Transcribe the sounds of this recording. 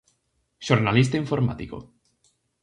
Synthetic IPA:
ʃoɾnalist̪aiɱfoɾma̰t̪iko̰

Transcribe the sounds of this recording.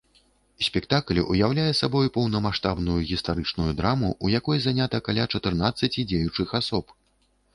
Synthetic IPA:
sʲpʲɛkt̪akl̰ʲʔujawlʲajɛsabɔjpɐwnɐmaʂt̪abnujuɣʲist̪aɾɨt͡ʂnujud̪ɾamuʔujakɔjzanʲat̪ɐkalʲat͡ʂɐt̪ɨrn̪at̪sːɐt͡sʲid͡zʲejut͡ʂɨxasɔp

